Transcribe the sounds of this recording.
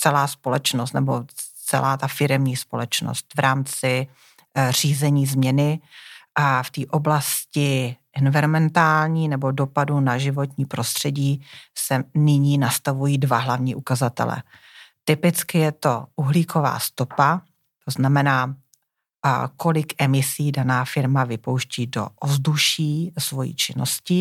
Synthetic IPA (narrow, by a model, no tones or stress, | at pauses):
t͡sɛlaːspo̞lɛt͡ʃno̞st̪nɛbo̞t͡sɛ̰lʔaːt̪afɪɾɛmɲiːspo̞̰lɛt͡ʃno̰st̪vɾaːmt͡sɪ | r̝̥iːzɛɲiːzmɲɛnɪ | ft̪iːʔoblascɪʔɛnvɪɾomɛnt̪aːlɲiːnɛbo̞do̞padunaʒɪvo̞t̪ɲiːpɾo̞st̪r̝̥ɛɟiːsɛnɪɲiːnast̪avujiːdvaɦlavɲiːʔukazat̪ɛ̰lɛ̰ | t̪ɪpɪt͡skɪjɛt̪oʔuɦliːkʰo̞va̰ːst̪o̞pa | t̪oznamɛnaː | ko̞lɪkʔɛmɪsiːdanaːfɪɾmavɪpo̞wʃciːdo̞̰ʔozduʃiːsvo̞jḭːt͡ʃɪno̰scɪ